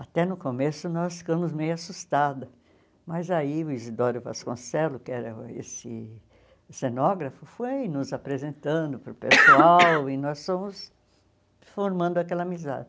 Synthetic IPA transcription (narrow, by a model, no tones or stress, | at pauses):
at̪ɛnʊkomesʊnɔsfi̥kɐ̃mʊzmejʊasust̪ad̪ɐ | mɐzaiʊizid̪ɔɾʊva̰skõ̰sɛlʊkɪɛɾɐḛsɪ | senɔɡɾɐfʊfojnʊzapɾezẽnt̪ɐ̃nd̪ʊpɾʊpesuawɪnɔsfõmʊs | foɾmɐ̃nd̪ʊakɛlɐamiza̰d͡ʒɪ